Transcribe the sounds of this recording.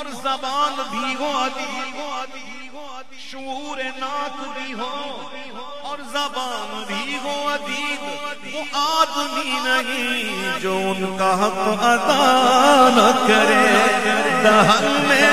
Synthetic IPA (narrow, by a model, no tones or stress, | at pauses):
ɔɾzɐbaːnbʱiɦod̪i | ʃʊuːɾenaːt̪ʰbʱiɦo | ɔːɾzɐbaːnbʱiɦoɐd̪ʱi | ʊ̃ʔaːd̪minɐɦĩd͡ʒoːʊnkaɦɐqɐd̪aːnɐkɐɾe | d̪ɐɦɐlmẽ